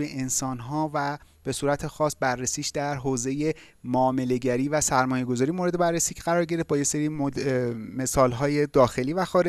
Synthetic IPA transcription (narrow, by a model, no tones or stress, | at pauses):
jeʔensɒːnɦɒːvæb̥e̞suːɾæt̪ʰexɒːs̚bærːesiːʃd̪æɾɦoːze̞je | moːme̞le̞ɟæɾiːvæsæɾmɒːje̞ɡo̞zɒːɾijemoɾe̞d̪e̞bærːesiːcʰɡæɾɒːɾɟe̞ɾet̪bɒːje̞seɾiː | me̞sɒːlɦɒːje̞d̪ɒːxe̞liːvæxɒːɾe